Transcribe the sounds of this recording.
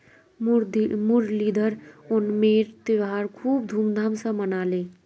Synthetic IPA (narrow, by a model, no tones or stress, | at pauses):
mɾmuɾlid̪ʱəɾonmeɾt̪eʋɦaɾkʰub̚d̪ʱumd̪ʱamsə̃mənale